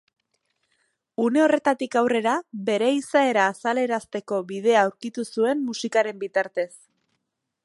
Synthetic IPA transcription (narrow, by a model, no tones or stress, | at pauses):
une̞o̞re̞t̪at̪ikawre̞ɾaβe̞ɾe̞isae̞ɾaːsale̞ɾast̪e̞ko̞βið̞e̞aːwɾkit̪usue̞mːusikaɾe̞mbit̪aɾt̪e̞s